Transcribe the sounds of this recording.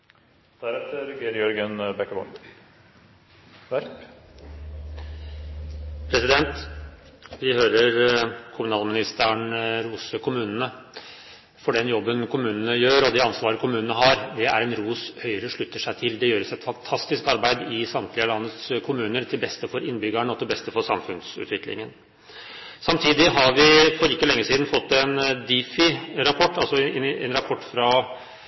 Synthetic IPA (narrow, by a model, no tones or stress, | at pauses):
d̪̥æɾɛt̪əɾɡeːɾjɔɾɡənbɛkːəbɔ̰ | pʰɾɛsɪd̪ɛnt̪ | ʋɪhøːɾəɾkʰʊmʉnɑːlmɪnɪst̪əɳɾuːsəkʰʊmʉːnənə | fɔɖɛnjɔbːənkʰʊmʉːnənəjøːɾɔd̪iɑnsʋɑːɾəkʰʊmʉːnənəɦɑɾd̪ɛæɾɛnɾuːshœʏɾəʂɭʉt̪ːəʂæɪt̪ʰɪld̪ɛjøːɾəsɛt̪fɑnt̪ʰɑst̪ɪskɑɾbæɪd̪ɪsɑmt̪lɪəlɑnːət̪skʰʊmʉːnəɾt̪ʰɪlbɛst̪əfɔɾɪnːbʏɡæɳɔt̪ʰɪlbɛst̪əfɔɾʂɑmfʉnsʉ̰t̪ʋɪklɪ̰ŋən | sɑmt̪ʰiːd̪ɪɦɑɾʋɪfɔɾɪkːəlɛŋːəsiːd̪n̩fɔt̪ːɛnd̪iːfɪɾɑpʰɔʈːɑlsɔɛɛ̰nɾɑpʰɔʈːfɾɑ